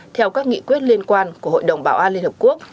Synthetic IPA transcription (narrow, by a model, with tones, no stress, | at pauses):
t̪ʰɛ˧wkaː˦˥k̚ŋḭ˧˨kwi˦˥ət̚li˧ənkwaː˧nku˧˩əɦo̰˧˨jɗə˨˩wŋ͡mɓaː˧˩wʔaː˧li˧ənhə˨˩p̚ku˦˥ək̚